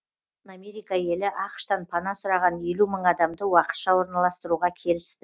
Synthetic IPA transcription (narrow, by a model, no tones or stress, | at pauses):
namʲe̞ɾijkɑje̞lɪʔɑqʃt̪ɑnpʰɑnɑsʊɾɑʁɑnje̞luməɴɑd̪ɑmd̪əwɑqə̥t̪ʃɑwo̞ɾnɑlˠɑst̪əɾuʁɑkʲʰe̞lɪst̪ɪ